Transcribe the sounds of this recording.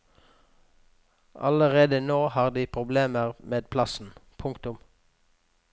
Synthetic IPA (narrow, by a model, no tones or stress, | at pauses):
ʔɑ̰ləʁeːd̪ənoːhɑːʁd̪iːpʰʁʊbleːməʁmeːd̪̚pʰlɑsn̩pʰʊŋkt̪ʊm